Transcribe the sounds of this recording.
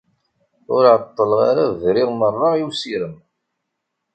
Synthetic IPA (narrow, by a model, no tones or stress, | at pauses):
ʊɾʕət̪ˤːəlʁaɾaðɾɪʁmərˤːəiwsiɾəm